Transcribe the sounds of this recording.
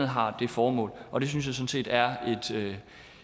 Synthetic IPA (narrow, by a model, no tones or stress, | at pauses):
ð̩ˠɦɑ̈d̥e̝fɒːmɔ̰̽ːlʔɒ̽de̝synsjɑ̈sɔ̽n̩se̝̰ːd̥æɐe̝d̥ø